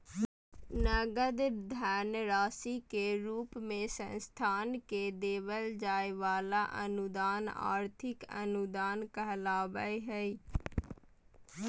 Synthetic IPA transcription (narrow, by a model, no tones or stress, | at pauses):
nəɡəd̪d̪ʱɛːnɾaːsikeɾuːpmẽsə̰̃nst̪ʰaːnked̪eːʋəld͡ʒaːeʋaːlaʔənʊd̪aːna̰ːɾt̪ʰɪkə̰nʊd̪aːnkəɦlaːʋəeɦɛi